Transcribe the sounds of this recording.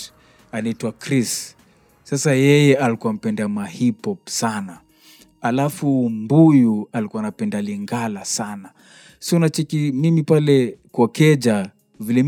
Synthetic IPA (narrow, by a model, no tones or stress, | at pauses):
anaitwakɾis | sasajɛjɛʔalikuwam̩pɛndamahipɔpsana | alafumbujualikuanapɛndaliŋɡalasana | siɔnat͡ʃɛkimimipalɛkwakɛd͡ʒa | vilɛm